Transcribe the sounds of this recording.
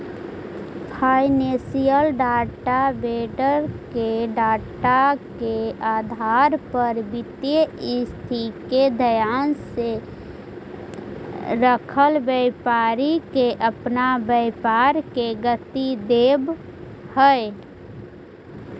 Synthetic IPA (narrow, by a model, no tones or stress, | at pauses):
pʰaːɪnesijəlɖaːʈabeːɖəɾkeɖaːʈakeaːd̪ʱaɾpəɾbɪt̪jəɪst̪ʰiked̪ʱəjaːnse | ɾəkʰəlbəɪpaːɾikeʔəpnabəɪpaːɾkeɡət̪id̪eːb | həe